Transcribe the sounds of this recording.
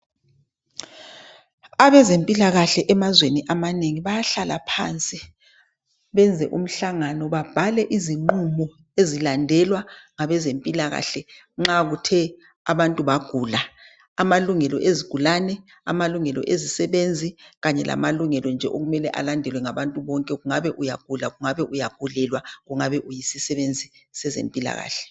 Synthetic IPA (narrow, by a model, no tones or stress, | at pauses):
aβɛzempʼilaɣaɬɛʔɛmazweniʔamaneŋiβajaɬalapʰant͡sʼi | βɛnd͡zʱɛ̰ʔum̩ɬaŋanɔβab̥ʱalɛʔiziŋ͡ǃumɔ | ezilandʱɛlwaŋaβɛzempʼilaɣa̰ɬɛ | ŋ͡ǁaɣutʰɛ | aβantʼuβaɡ̥ʱuːla | amaluŋɛlɔʔeziɡ̥ʱulanɛ | a̰maluŋɛlɔ̰ʔezisɛβend͡zʱiɣaɲɛlʔa̰maluŋɛlɔnd͡ʒʱɛ̰ʔoɣumɛlɛʔa̰landʱɛlwɛŋaβantʼuβɔŋkʼɛɣuŋaβɛʔujaɡ̥ʱulaɣuŋaβɛʔujaɡ̥ʱulɛlwaɣuŋaβɛʔujisisɛβend͡zʱisɛzḛmpʼila̰ɣa̰ːɬɛ̥